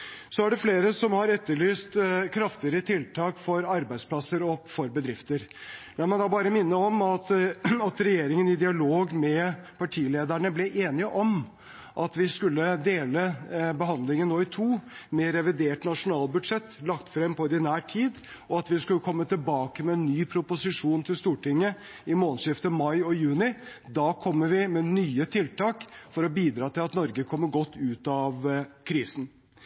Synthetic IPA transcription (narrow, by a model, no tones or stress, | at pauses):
sɔæɖɛfleːɾəsɔmhɑɾɛt̪ːəɭyːst̪kʰɾɑft̪ɪəɾət̪ʰɪlt̪ʰɑːkfɔɾɑɾbæɪspʰlɑsəɾɔpfɔɾbəd̪ɾɪft̪əɾlɑmɑnd̪ɑːbɑːɾəmɪnːəɔmɑt̪ɑt̪ɾɛjeːɾɪŋənɪd̪ɪɑloːɡmɛpʰɑʈʰiːleːd̪əɳəblɛʔeːnɪəʔɔm | ʔɑt̪ʋɪskʉlːəd̪eːləbəɦɑnd̪lɪŋənnoːɪt̪ʰuːmɛɾɛʋɪd̪eːʈnɑʂʊnɑːlbʉd̪ʂɛt̪ːlɑkt̪fɾɛmpɔɪd̪ɪnæːʈʰiːd̪ | ɔɑt̪ʋɪskʉlːəkʰɔmːət̪ɪlbɑːkəmɛɛnːyːpʰɾʊpʊsɪʂuːnt̪ʰɪlst̪uːʈɪŋːə | ɪmoːlsɪft̪əmɑɪɔjʉːnɪd̪ɑːkʰɔmːəʋɪmɛnyːət̪ʰɪlt̪ɑːkfɔɾɔbiːd̪ɾɑːt̪ʰɪlɑt̪nɔɾɡəkʰɔmːəɡɔt̪ːʉːt̪ɑʋkʰɾiːsn̩